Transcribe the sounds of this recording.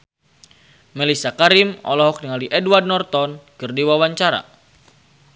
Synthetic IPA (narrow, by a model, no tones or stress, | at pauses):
mɛlisakaɾimɔ̰lɔɦɔk̚niŋaliʔɛdward̚nɔrt̪ɔnkɨrdiwawaɲt͡ʃaɾa̰